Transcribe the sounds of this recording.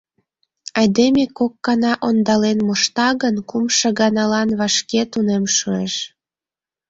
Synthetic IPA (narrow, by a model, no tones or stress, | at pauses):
ɑjd̪emekokːɑnɑʔond̪ɑlenmoʃt̪ɑɣənkumʃɤ̆ɣɑnɑlɑnβɑʃket̪unemʃueʃ